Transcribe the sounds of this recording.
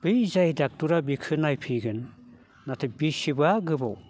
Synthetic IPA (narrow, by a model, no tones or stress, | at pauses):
b̥ɯjzajdak̚tuɾabikʰɯnajpʰiɡɯnː | atʰɯbisibaɡɯbɔw